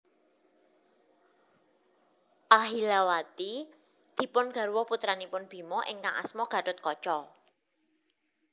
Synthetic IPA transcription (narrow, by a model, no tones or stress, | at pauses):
ʔaɦilawat̪i | d̪̥i̤pʊnɡ̥a̤ɾwɔput̪ɾanipʊnb̥i̤mɔʔɪ̰ŋkaŋa̰smɔɡ̥ä̤ʈʊt̪̚kɔt͡ʃɔ